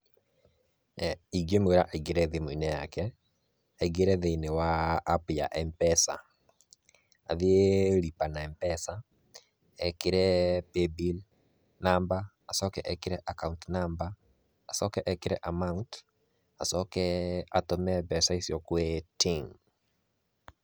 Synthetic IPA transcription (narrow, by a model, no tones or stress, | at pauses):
iɡemeɾaʔaiɡeɾɛðiminɛjakɛ | aiɡeɾɛðenɪwaːpjaʔɛmpɛsa̰ | a̰ðɪeɾipanaɛmpɛsa | ɛkɪɾɛpebil | namba | asɔkɛʔɛkɪɾɛʔakawuntnambaː | sɔkɛʔɛkɪɾɛʔamaunt | asɔkɛatɔmɛbɛsaisjɔkwɛtiŋ